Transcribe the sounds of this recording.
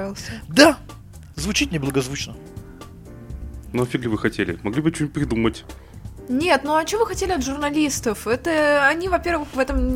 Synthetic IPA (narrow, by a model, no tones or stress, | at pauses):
vʲɪlˠsʲəd̪a | zvʊt͡ɕitʲnʲɪblˠəɡɐzvut͡ɕnə | nuɐfʲiɡlʲɪvɨxɐtʲelʲɪ̰mɐɡlʲibɨt͡ɕn̚ʲpɾʲɪd̪umətʲ | nʲet̪nuɐt͡ɕɪovɨxɐtʲelʲɪɐt̪ʐʊrnɐlʲist̪əfɛt̪əɐnʲivɐpʲervɨxvɛt̪əm